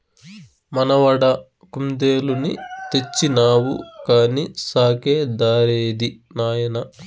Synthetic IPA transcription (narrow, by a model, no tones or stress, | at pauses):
mɐnɐʋɐɽɐ | kumd̪eːlunḭt̪e̞t͡ʃːinaːwṵkaːnisaːkeːd̪aːɾeːd̪inaːjɐnɐ